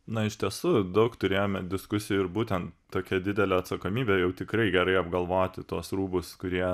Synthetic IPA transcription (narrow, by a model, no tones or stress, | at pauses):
nɐɪʃʲt̪ʲiɛsʊd̪ɐʊkt̪ʊɾʲeːjoːmʲɛd̪ʲɪskʊsʲɪjʊɪɾbuːt̪ʲɛnt̪t̪ːoːkʲɛd̪ʲɪd̪ʲɛlʲɛɐt̪sɐkoːmʲiːbʲejɛʊt̪ʲɪkɾɐɪɡʲɛɾɐɪɐbɡɐlˠʋoːt̪ʲɪt̪uɔsruːbʊskʊɾʲiɛ